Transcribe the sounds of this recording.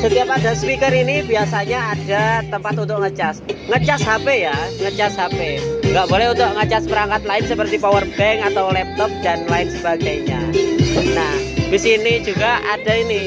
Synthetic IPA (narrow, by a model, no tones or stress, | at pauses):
sət̪iapadaspikəɾinibiasaɲaːd̥at̪əmpat̪unt̪ʊʔŋət͡ʃasŋət͡ʃasɦapejaŋət͡ʃasɦapeŋɡaʔbolɛhunt̪ʊʔŋət͡ʃaspəɾaŋkat̪̚laɪnsəpərt̪ipawərbɛŋat̪awlɛp̚t̪ɔp̚danlaɪnsəbaɡajɲa | nahbisinid͡ʒuɡaʔadaini